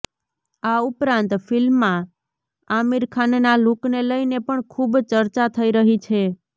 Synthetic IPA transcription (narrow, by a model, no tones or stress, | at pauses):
aupɾãnt̪filmːã | amiɾkʰannalukneləjnepəɳkʰubt͡ʃəɾt͡ʃat̪ʰəiɾəɦit͡ʃʰe